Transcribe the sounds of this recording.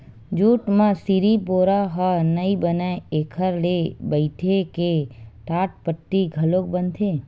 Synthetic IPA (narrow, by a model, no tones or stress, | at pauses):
d͡ʒuːʈmãsiɾipoːɾaɦənəibənaeeːkʰəɾlebəɪʈʰekeʈaːʈ̚pəʈːiɡʱəloːk̚bənt̪ʰẽː